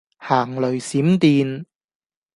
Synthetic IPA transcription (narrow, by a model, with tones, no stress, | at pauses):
haː˨˩ŋlɵ˨˩ɥsiː˨˥mt̪iː˨˧n